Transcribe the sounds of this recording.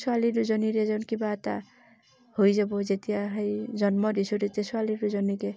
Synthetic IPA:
sualiɾud͡ʒɔniɾed͡ʒɔnkibat̪a̰ | hojd͡ʒabod͡ʒet̪ijaɦʌjd͡ʒʌnmɔd̪isuɾet̪esualiɾud͡ʒɔnike

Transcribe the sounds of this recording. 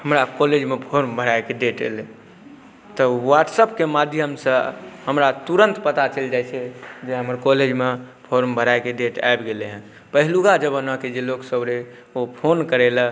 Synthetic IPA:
həmɾakɔled͡ʒmepʰoɾmbʱəɾaekeɖeʈḛle | t̪əwaʈsəpkemad̪ʱjəɦəmsəɦəmɾat̪uɾə̃nt̪pət̪at͡ʃeld͡ʒajt͡ʃʰɛd͡ʒeɦəməɾkɔled͡ʒme | pʰoɾmbʱəɾaekeɖeʈa̰ebɡeleɦɛ̃ | pəɦluɡad͡ʒəbənəked͡ʒeloksəbɾe | opʰonkəɾelə

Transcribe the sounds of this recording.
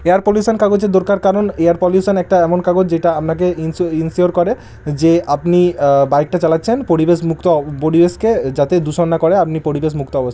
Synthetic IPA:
eaɾpɔliusankaɡot͡ɕed̪oɾkaɾkaɾoneaɾpɔljusanɛk̚ʈaɛmonkaɡot͡ɕd͡ʑeʈaapnak̬eiinsioɾkɔɾe | d͡ʑeapnibajk̚ʈat͡ɕalatːɕʰenpoɾibeʃmukt̪opoɾibeʃked͡ʑat̪ed̪uʃonːakɔɾeapnipoɾibeʃ̬muk̚t̪oɔbost̪

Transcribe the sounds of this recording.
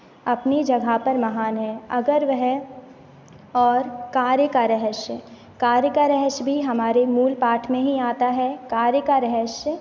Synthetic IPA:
ɐpnid͡ʒɐɡʱapɐɾmɐɦaːnɦɛ̃ːɐɡəɾʋəɦɛ | ɔːɾkaːɾjəkaɾɛɦəʃ | kaːɾjəkaɾɛɦəʃbʱiɦɐmaːɾemuːlpaːʈʰmẽɦiaːt̪aɦɛkaːɾjəkaɾɛɦɛʃ

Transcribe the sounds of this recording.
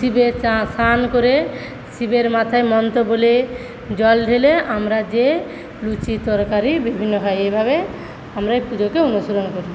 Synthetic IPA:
sibeasankoɾe | sibeɾmat̪ʰaemɔnt̪obole | d͡ʑɔlɖʱeleamɾad͡ʑe | lut͡ɕit̪ɔɾkaɾibibʱinːoɦajejbʱabe | amɾapud͡ʒokeonuʃoɾonkoɾi

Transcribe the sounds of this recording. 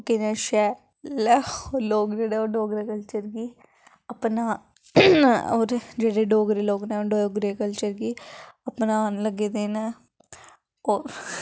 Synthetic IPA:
kinãːʃɛː | lɛoːloːkd͡ʒeːɽeːoːɖoːɡɾeːkəlt͡ʃəɾɡiː | əpnaː | oːɾd͡ʒeːɽeːɖoːɡɾeːloːɡnɛːoɖoːɡɾeːkəlt͡ʃəɾɡiːəpnanləɡeːd̪eːnɛː | oːɾ

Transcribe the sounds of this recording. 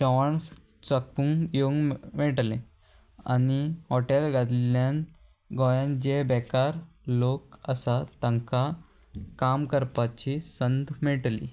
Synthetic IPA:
ɕɔʋaɳ | t͡sək̚pũŋjoŋɡmɛʈle | a̰niɦɔʈelɡad̪ljãn | ɡɔjãnd͡ʑebɛkaɾ | lokəsat̪ãŋka | kamkəɾpat͡ɕisənd̪mɛʈlḭ

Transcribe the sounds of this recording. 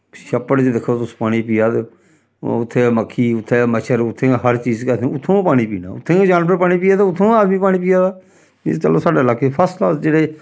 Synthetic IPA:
ʃəpːəɽd͡ʒeːd̪ɪkʰːoːt̪ʊspaːɽ̃iːpiːaːd̪ḛ | ʊt̪ʰːeːməkʰːiːʊt̪ʰːeːməʃʰəɾʊt̪ʰːeːɦəɾt͡ʃiːzkəẽʊt̪ʰːõːpaːɽ̃iːpḭːna̰ːʊ̰t̪ʰːẽːd͡ʒaːnpəɾpaːɽ̃iːpiːaːd̪eːʊt̪ʰːõːaːd̪miːpaːɽ̃iːpiːaːd̪a̰ː | t͡ʃə̰loːsaːɖeːəlaːkepʰəːslaːd͡ʒeːɽeː

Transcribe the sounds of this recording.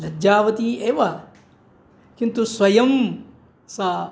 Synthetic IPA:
lɐd͡ʒaːʋɐt̪ieːʋɐ | kint̪usʋɐjɐm | sa

